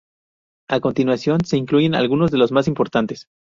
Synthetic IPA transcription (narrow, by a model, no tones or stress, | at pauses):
akont̪inwasjo̞nse̞iŋkluʝe̞na̰lɣuno̞zðe̞lo̞zmas̬impo̞ɾt̪ant̪e̞s